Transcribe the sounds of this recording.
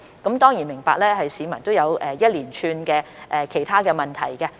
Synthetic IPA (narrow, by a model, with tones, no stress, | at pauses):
kɐ˨˥mt̪ɔː˥ŋji˨˩nmɪ˨˩ŋpaː˧k̚lɛː˥ɦɐ˨jsiː˨˧mɐ˨˩nt̪o˥wjɐ˨˧wɛː˨˧jɐ˥t̚liː˨˩nt͡ʃʰyː˧nkɛː˧ʔɛː˨kʰe˨˩jt̪ʰaː˥kɛː˧mɐ˨nt̪ʰɐ̰˨˩jkɛ˧